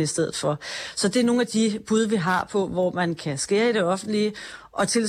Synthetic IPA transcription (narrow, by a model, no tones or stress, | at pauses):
əisd̥eð̞̰ˠð̩ˠfɒ̽sɒ̽d̥e̝æno̝ːn̩æd̥ib̥uð̞ˠɐʋiɦɑ̈pʰɒ̽ʋɒmænkʰæsɡ̥e̝̰ːɐiɾ̥e̝ɒ̽fn̩d̥liə | ʔɒ̽t͡sʰe̝l